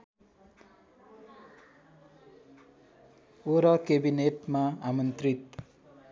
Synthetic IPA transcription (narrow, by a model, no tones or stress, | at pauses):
oɾʌkebineʈmaamʌnt̪rit̪